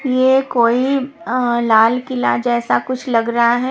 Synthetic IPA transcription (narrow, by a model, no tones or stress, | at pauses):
jekoːi | laːlkɪla̰d͡ʒɛːsakʊt͡ʃʰlɐɡɾɐɦaɦɛ